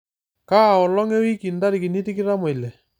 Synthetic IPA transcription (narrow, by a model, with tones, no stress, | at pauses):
ka˦˨ɔ˨lɔ˦ŋɛ˦wi˦ki˨nda˦ɾi˨ki˨ni˦ti˦kɪ˦ɾa˦me˨i˨lɛ˨